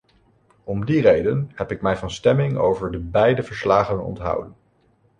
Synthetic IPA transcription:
ɔmdirejdənhɛpɪkmɛjvɑnstɛmɪŋo̰wvəɹdəbɛjdəvəɹslaːχənɔ̰ntɦɑ̰wdən

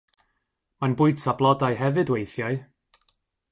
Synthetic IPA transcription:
manbʊɨd̥sablˠɔdajɦɛvɨdwejθjaɨ

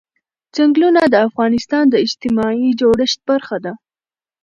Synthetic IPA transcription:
zaŋɡlunad̪əafɣɑnɪst̪ɑnd̪əɪd͡ʒt̪ɪmɑid͡ʒoɽəʃt̪̚baɾxad̪a

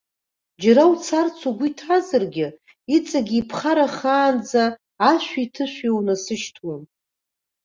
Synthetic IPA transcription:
d͡ʒaɾawt͡sʰart͡sʰaɡʷʊitʰazɨrɡʲɪ | it͡sʼaɡʲiːpʰχaɾaχaːnd͡zaː | ʃᶣʷaitʰɨʃʷᶣewnasɨʃtʰwan

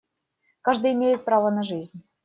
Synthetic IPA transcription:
kɑʐd̪ɨjɪmʲejɪt̪̚prɑvənaʐɨzʲnʲ

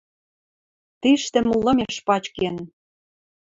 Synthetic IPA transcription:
t̪iʃt̪ɘ̆mulːɤ̆mʲeʃpɑt͡ɕken

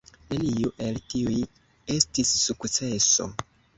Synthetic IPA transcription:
leliuʔe̞ltiuj | e̞stisːukt͡se̞so̞̰

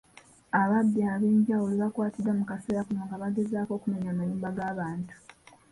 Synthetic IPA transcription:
aβadːiaβe̞ːɲɟawuliβakwaːtidːamukase̞ːɾakunoːŋɡaβaɡe̞zaːko̞ːkume̞ɲaːmaɲuːmbaɡaːβaːntu̥

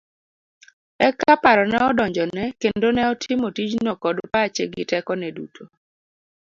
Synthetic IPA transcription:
ɛkapaɾɔnɛɔdɔɲd͡ʒɔnɛkendonɛɔtʰɪmotid͡ʒnokɔdpaːt͡ʃeɡɪtɛkɔnɛdutʰo

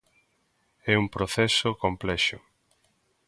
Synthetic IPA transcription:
ɛumpɾoθɛsokomplɛʃʊ

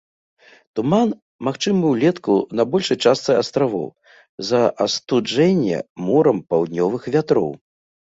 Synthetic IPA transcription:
t̪uman | maxt͡ʂɨmɨwlʲɛt̪kunɐbɔlʲʂɐjt͡ʂast̪sɨast̪ɾavɔ̰w | zɐʔɐst̪ud͡ʐɛnʲːɛ̰mɔɾɐmpawd̪ʲnʲɔvɨxvʲat̪ɾɔ̰w

